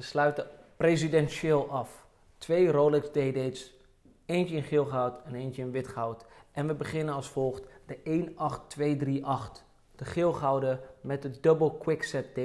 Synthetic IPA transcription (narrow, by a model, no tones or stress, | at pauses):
əslœɥtə | prezidɛnʃɪːlˠʔɑf | tʋejrowlɪkzdejdejts | ejntəɪnχɪlˠχawtɛnejntəɪnʋɪtχawtʔɛnʋəbəχɪnənɑlˠsfɔlˠχtdəʔejnɑχtʋejdriʔɑχt | d̥əχɪlˠχawdəmɛt̚dədɵbəlˠkwɪksɛt̚de